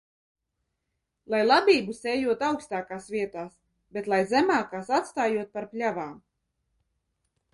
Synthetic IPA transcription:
lˠajlˠabʲiːbusɛːjuɔt̪awkst̪aːkaːsvʲiɛt̪aːs | bet̪lˠajzɛmaːkaːsat̪st̪aːjuɔt̪̚paɾplʲavaːm

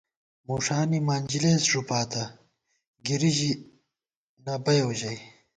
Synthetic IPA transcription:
muːʂaːnimaːnʲd͡ʑileːsʐupaːt̪ɐ | ɡiɾiʑi | nɐbɐjowʑɐj

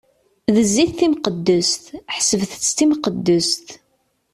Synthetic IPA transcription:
ðəzːiθθimqəd̪ːʊst̪ħsəvθət͡sːt̪imqəd̪ːʊst̪

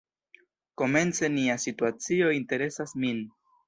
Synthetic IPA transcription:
ko̞me̞nt͡se̞niasituat͡sio̞inte̞ɾe̞sasmin

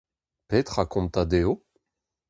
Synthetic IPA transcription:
pet̪χakɔ̃nt̪ad̪eo

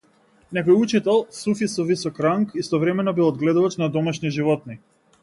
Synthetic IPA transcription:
nɛkɔjut͡ʃit̪ɛlˠsufisɔvisɔkɾaŋkist̪ɔvɾɛmɛnɔbilˠɔd̪ɡlɛd̪uvat͡ʃnad̪ɔmaʃniʒivɔt̪̚ni

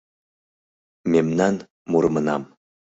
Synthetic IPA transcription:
memnɑn | muɾɤmɤ̆nɑm

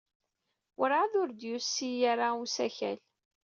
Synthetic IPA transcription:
ɾʕaðʊɾd̪jusːijaɾausæçæ̰l

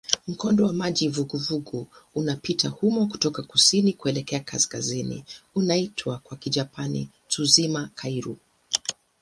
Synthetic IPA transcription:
m̩kɔndɔwamaʄivuɡuvuɡuːnapitahumɔku̥tɔkakusinikuɛlɛkɛakaskazinḭunaitʰwakwakiʄapanḭ | tuzimakʰaiɾu

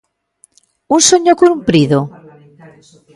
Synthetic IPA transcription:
unsoɲokuumpɾiðo

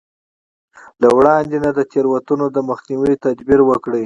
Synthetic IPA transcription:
lawɽɑnd̪enad̪ət̪eɾwat̪unod̪əməxniwit̪ad̪biɾwəkɽə

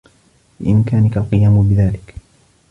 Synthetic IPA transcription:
bɪ̰ʔɪmkaːnɪkalqɨjaːmʊbɪðaːlɪk

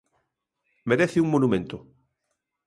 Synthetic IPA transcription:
meɾeθɪuŋmonumẽnt̪ʊ

